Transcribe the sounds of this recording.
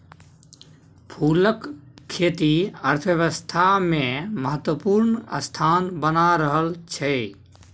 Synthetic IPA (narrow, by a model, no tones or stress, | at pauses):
pʰuːləkʰːeːt̪iəɾt̪ʰəjəʋəst̪ʰamẽməɦət̪wəpuːɾnə̰st̪ʰaːnbənaɾəɦəlt͡ʃʰɛ